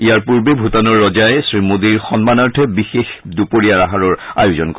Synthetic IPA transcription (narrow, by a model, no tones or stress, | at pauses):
ijaɹpuɹbebʱutanɔɹːɔd͡ʒajesɹimod̪iɹxɔnmanaɹtʰɛbixexd̪upoɹiaɹaɦaɹɔɹa̰jʊzɔnkɔ